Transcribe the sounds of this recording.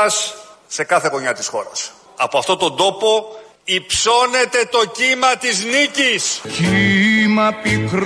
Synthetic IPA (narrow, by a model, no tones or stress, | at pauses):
ɐsːe̞kɐθe̞ko̞ɲɐt̪isxo̞̰ɾɐ̰s | ɐpoɐft̪ot̪o̞nd̪o̞po̞ | ipso̞ne̞t̪e̞t̪o̞cimɐt̪izniciscimɐpikɾ